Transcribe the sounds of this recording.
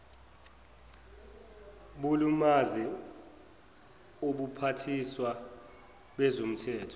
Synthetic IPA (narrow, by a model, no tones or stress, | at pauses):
ɓulumazi | oɓupʰatʰiswa | ɓɛzom̩tʰɛːtʰɔ̥